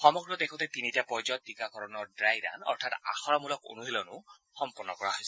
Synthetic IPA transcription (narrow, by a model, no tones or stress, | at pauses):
xɔmɔɡɹɔd̪ekʰɔt̪ɛt̪initiapɔjzɔt̪̚dikakɔɹɔnɔɹdɹajɾa̰nɔ̰ɹtʰat̪a̰xɔɹamulɔko̰nuɦilɔnʊ | xɔmpɔɹnːɔkɔɹaɦojs